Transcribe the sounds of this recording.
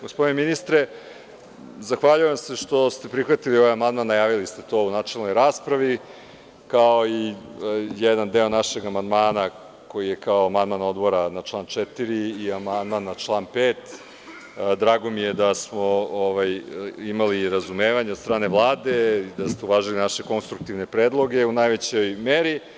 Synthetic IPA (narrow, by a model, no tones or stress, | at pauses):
ɡospo̞d̪ineminist̪ɾe | zaxʋaʎujemse̞ʂt̪o̞st̪e̞pɾixʋat̪ilio̞ʋajamand̪manːajaːʋilist̪e̞t̪o̞unat͡ʃelˠno̞jɾaːspɾaʋi | kaoi | jɛd̪and̪e̞o̞naʃe̞ɡamand̪maːna | ko̞jijekaoamand̪mano̞d̪bo̞ɾanat͡ʃlˠaːnt͡ʃɛt̪iɾiːamand̪manːat͡ʃlˠaːnpeːt̪ | d̪ɾaːɡo̞mijed̪asmooʋajimaliɾazumeːʋaɲed̪st̪ɾaːne̞ʋlˠaːd̪e̞d̪ast̪euʋaːʒilinaʃe̞ko̞nst̪ɾuk̚t̪iʋne̞pɾeːd̪lˠo̞ɡe̞unajʋet͡ɕojmeɾi